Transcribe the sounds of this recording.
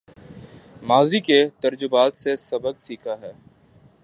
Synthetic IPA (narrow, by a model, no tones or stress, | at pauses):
maːziket̪əɾd͡ʒʊbaːt̪sesɐbəɡsiːkʰaɦɛː